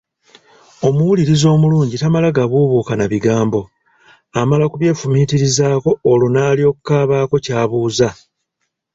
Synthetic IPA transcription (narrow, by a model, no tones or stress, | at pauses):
o̞muwuliɾizo̞ːmuluːɲɟitamalaɡaβuβuːkanaβiɡaːmbo̞ | amalakuβje̞ːfumiːtiɾizaːko̞ːlunaːlijo̞kukaːβaːko̞caːβuːza